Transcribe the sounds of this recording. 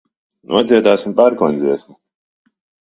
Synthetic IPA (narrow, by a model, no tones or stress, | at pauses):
nṵɔt̪zʲiɛt̪aːsimpaɾkɔnʲd̪ziɛsmu